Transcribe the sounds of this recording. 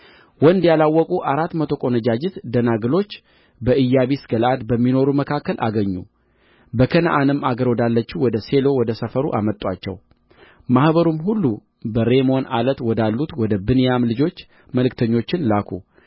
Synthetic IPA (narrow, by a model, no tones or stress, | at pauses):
wɔnd̪jalawːɔkʼuʔaɾat̪ːmət̪ʰo̞kʼo̞nəd͡ʒad͡ʒɪt̪d̪ənaɡɨlo̞t͡ʃː | bəʔɨjːaβisɡəlad̪bəmːino̞ɾuməkʰakːəlʔa̰ɡəɲːṵ | bəkʰənaʔanɨmːaɡəɾwɔd̪alːət͡ʃːiwɔd̪əse̞lo̞wɔd̪əsəfəɾṵʔa̰mət̪ʼːwa̰t͡ʃːɛ̰w | mahbəɾumhulːu | bəɾe̞mo̞na̰lət̪wɔd̪alːut̪wɔd̪əbɨnjamlɨd͡ʒo̞t͡ʃː | məlɨkt̪ʰəɲːo̞t͡ʃːɪnlakʰṵ